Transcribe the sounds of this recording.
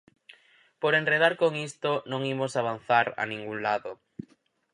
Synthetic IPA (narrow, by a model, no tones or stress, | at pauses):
poɾenreð̞aɾkoŋist̪onõŋimosaβ̞an̟θaɾa̰nĩŋɡuŋlaðo